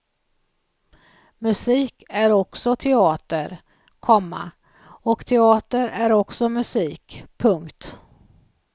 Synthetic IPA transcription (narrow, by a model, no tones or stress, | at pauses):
mɵsiːkæɾɔksɔt̪ʰɛɑːt̪əɾ | kʰɔmːa̰ | ɔkt̪ʰɛɑːt̪əɾæɾɔksɔmɵsiːkpʰɵŋkt̪